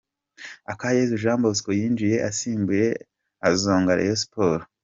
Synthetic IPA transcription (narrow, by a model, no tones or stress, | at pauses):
akajezuʒaːmboskojiːnd͡ʒije̞ʔasiːmbuɾe̞ | azoːŋɡaɾḛjosi̥poɾo